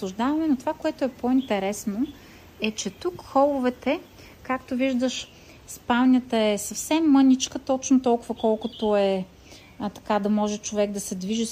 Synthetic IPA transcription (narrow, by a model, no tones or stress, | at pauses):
sˠʊʒd̪avɐmɛnot̪ovakoɛt̪oɛpoint̪ɛɾɛsno | ɛt͡ʃɛt̪ukxɔlˠʊvɛt̪ɛ | kakt̪oviʒd̪əʃ | spalˠnʲət̪əɛsɐfsɛmːɤnʲit͡ʃkət̪ɔt͡ʃnot̪ɔlˠkʊvəkɔlˠkot̪oɛ | t̪ɐ̥kad̪ɐmɔʒɛt͡ʃovɛɡd̪ɐsɛd̪viʒi